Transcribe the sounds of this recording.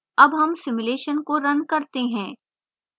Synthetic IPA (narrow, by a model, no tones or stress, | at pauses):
ɐbɦɐmsɪmʊleːʃənkoɾɐnkɐɾt̪eɦɛ̃ː